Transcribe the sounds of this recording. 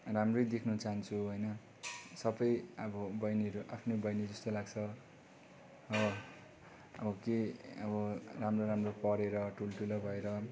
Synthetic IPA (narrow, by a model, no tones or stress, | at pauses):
ramrʌjd̪ekʰnut͡saɦʌnt͡sʰuɦojnʌ | sʌbʌjʌbʌbʌjniʌɾuʔapʰnobʌjnid͡zʌst̪olaɡt͡sʰʌ | ʌʌ | ʌbʌkeʌbʌramroɾamropʌɾeɾʌʈʰulʈulʌbʱʌeɾʌ